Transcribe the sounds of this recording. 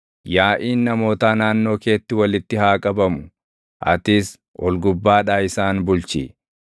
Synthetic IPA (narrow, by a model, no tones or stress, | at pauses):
jaːʔiːnːɐmo̞ːt̪aːnaːnːo̞ːke̞ːt̪ːɪwɐlɪt̪ːɪhaːkʼɐbɐmʊ̥ | ʔɐ̰t̪ɪs | ʔɔlɡʊbːaːᶑaːɪsaːnbʊlt͡ʃḭː